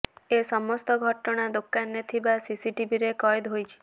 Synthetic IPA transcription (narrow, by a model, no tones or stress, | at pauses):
esɔmɔst̪ɔɡʱɔʈɔɽ̃ad̪okanːet̪ʰibasisiʈibiɾekɔjd̪ɦojt͡ʃʰi̥